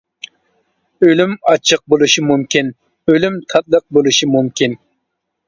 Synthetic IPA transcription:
ølymɑt͡ʃʰəq̚bolˠuʃimumkʲʰin | ølymt̪ʰɑt̪̚lˠəq̚bolˠuʃimumkʲin

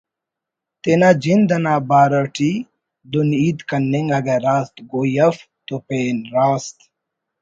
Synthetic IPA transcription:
t̪enad͡ʒind̪ɐnaːbaːɾɐʈʰi | d̪uniːd̪kɐnːeŋɡɐɡeɾaːst̪ɡojɐf | t̪opeːnɾaːst̪

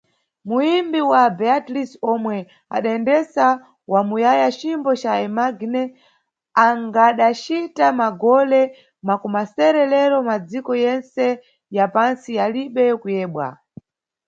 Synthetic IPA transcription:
muimbiwabɛatlisɔmwɛ | a̰ɗaɛndɛsa | wamujajat͡ʃimbɔt͡ʃaɛmaɡnɛ | aŋɡaɗat͡ʃitamaɡɔlɛ | makumasɛɾɛlɛɾɔmad͡zikɔjɛnsɛ | japansijaliɓɛkujɛːɓwa̰

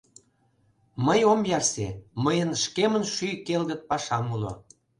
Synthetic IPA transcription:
məjomjɑrseməjənʃkemənʃykelɣə̆t̪̚pɑʃɑmulo̰

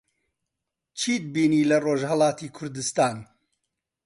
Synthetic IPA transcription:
t͡ʃʰiːd̪̚biːniːlɐroʒhɐlˠɑːt̪iːkʰʊɾd̪ɨst̪aːn

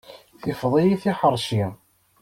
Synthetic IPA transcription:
θɪfðˤijiθiħəɾˤʃi

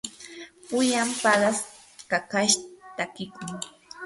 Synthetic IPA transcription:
pʊjampaɢas | kakaʃt̪akɪkʊŋ

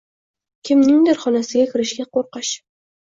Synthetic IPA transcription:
kʲʰɪmnɪŋd̪ɪɾχɒnasɪɡʲakʲʰɪɾɪʃɡʲaqʰoɾqɑʃ

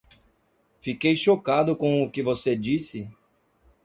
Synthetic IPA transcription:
fikejʃokad̪ʊkõw̃ʊkɪvosed͡ʒisɪ

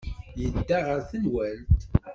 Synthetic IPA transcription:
jəd̪ːaʁəɾθənwænt̪

